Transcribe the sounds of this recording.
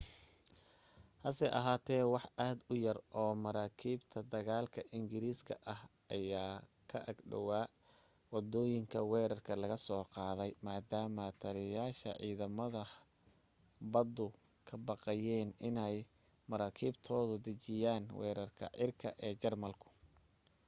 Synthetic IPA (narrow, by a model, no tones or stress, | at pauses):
hɐsɛʔɐ̰ɦaːt̪ʰɛːwɑħaːd̪ʊjɐrʔɔːmɐɾaːkʰiːbt̪ʰɐd̪ɐɣaːlkʰɐʔɪŋɡɪɾiːskʰɐ̰ʔɐhʔɐjaːkʰɐʔɐɡɖɐ̰waː | wɑd̪ɔːjɪŋkʰɐwɛːɾɐrkʰɐlɐɣɐsɔːqɑːðɛjmaːd̪aːmɐt̪ʰɐɾɪjaːʃɐ̰ʕḭːðɐmɐðɐ | bɐd̪ʊ | kʰɐbɑqɑjɛːnɪnɛj | mɐɾaːkʰiːbt̪ʰɔːðʊd̪ɐt͡ʃɪjaːnwɛ̰ːɾɐrkʰɐ̰ʕʔɪrkʰɐʔɛːt͡ʃɐrmɐlkʰʊ̥